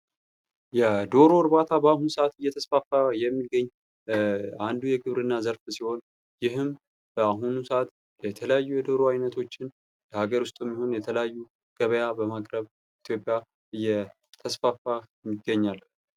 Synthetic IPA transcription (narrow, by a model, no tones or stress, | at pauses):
jɛd̪o̞ɾo̞ɾbat̪ʰabəahunsəat̪ɨjːɛt̪ʰəsfafːajɛmːiɡəɲː | and̪ujɛɡɨβɾɨnːazəɾfsiho̞n | jɪɦɨm | bəaɦunusəʔat̪ | jɛt̪ʰələjajːujɛd̪o̞ɾoajnət̪ʰo̞t͡ʃːɪn | ləhaɡəɾʊst̪ʼuɛmːiho̞njɛt̪ʰələjajːu | ɡ̥əβəjabəmakʼɾəβ | it̪ʰjo̞pʼja | ʔɨjːɛ | t̪ʰəsfafajmːiɡːəɲːal